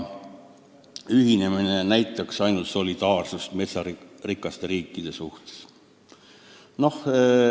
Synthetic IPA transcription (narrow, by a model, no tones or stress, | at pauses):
yɦine̞minenæjt̪ːˑɑksɑjnult̪so̞lid̪̥ɑːrsust̪me̞t̪sɑrikːˑɑst̪eɾiːkːˑid̪̥e̞suht̪e̥s | no̞h